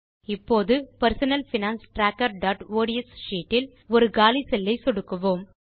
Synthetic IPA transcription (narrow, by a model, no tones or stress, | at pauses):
ɪpːoːðɯpɐɾsɐnɐlfɪnaːnsʈɾaːkːɐɾɖaːʈoːɽɪɛsʃiːʈːɪl | ɔɾɯɡaːlisɛlːɐɪsɔɽɯkːɐʋoːm